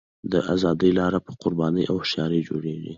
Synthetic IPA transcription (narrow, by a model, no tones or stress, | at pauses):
d̪əʔazɑd̪əjlɑɾapəqʊɾbɑnəjʔawhʃjɑɾəd͡ʒoɽeʐḭ